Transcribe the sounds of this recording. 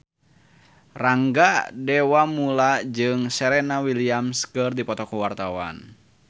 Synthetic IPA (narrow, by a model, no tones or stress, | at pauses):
raŋɡadɛwamulad͡ʒɨŋsɛɾɛnawiliamskɨrdipɔt̪ɔkuwart̪awa̰n